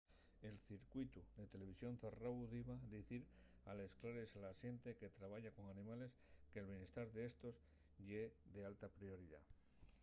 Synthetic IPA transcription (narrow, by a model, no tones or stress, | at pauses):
e̞lθiɾkwit̪uðe̞t̪e̞le̞β̞isjo̞nθerauðiβaðiθiɾ | a̰le̞sklaɾe̞salasje̞nt̪e̞ke̞t̪ɾaβ̞aʝako̞ŋanĩmale̞ske̞ːlβjenest̪aɾðeest̪o̞s | ʝeðe̞alt̪apɾio̞ɾiða̰